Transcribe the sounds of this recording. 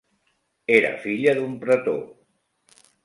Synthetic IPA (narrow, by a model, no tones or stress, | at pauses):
eɾə̰fiʎəðumpɾət̪o̰